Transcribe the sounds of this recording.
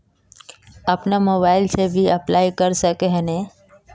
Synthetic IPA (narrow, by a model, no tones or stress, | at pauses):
ɐpnamoːbaːɪlsebʱiɐplaːikɐɾsəkeɦənẽː